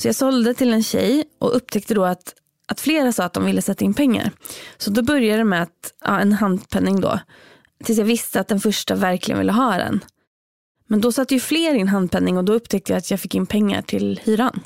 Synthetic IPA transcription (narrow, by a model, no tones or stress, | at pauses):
sɔjɑːɡsɔld̪ət̪ʰɪlɛnɕɛ̰jʔɔ̰ʔɵp̚ːt̪ʰɛk̚t̪əd̪ɔat̪ | ʔat̪fleːɾasɑːt̪̚d̪ɔmvɪlːəsɛt̪ːaɪnpʰɛŋːa̰ɾsɔd̪ɔbœɾjad̪əmɛat̪ɑ̰ːɛnɦand̪pʰɛnːɪŋd̪ɔ̰ | t̪ʰɪlsjaːɡvɪst̪əat̪̚d̪ɛnfœʂʈavæɾklɪɡənvɪ̰lːəɦɑːd̪ɛ̰n | mɛnd̪ɔsat̪ːəjɵfleːɾɪnɦand̪̚pʰɛnːɪŋɔd̪ɔɵpːt̪ʰɛk̚t̪əjaːat̪ʰjaːɡfɪkːɪnpʰɛŋːa̰ʈʰɪlhyːɾan